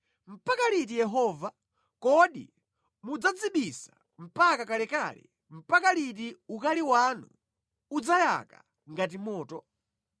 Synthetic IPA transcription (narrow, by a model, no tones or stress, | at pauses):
m̩pakalit̬ijɛɦɔːva | kɔɗḭ | mud͡zad͡ziɓisa | m̩pakakalɛkalɛ̰ | m̩pakalit̬iukaliwanu | ud͡zaja̰ka̰ | ŋɡat̬imɔːtɔ